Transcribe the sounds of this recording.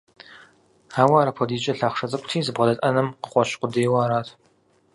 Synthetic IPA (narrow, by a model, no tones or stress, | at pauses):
haːwaːɾɐpʰɔdiːt͡ʃʼɐɬaːχʂɐzʼɐkʷʊtʰiːzɨbʁɐdɐtʼɐnɨmqə̥qʷɔɕqʷʊdeːwaːɾaːtʰ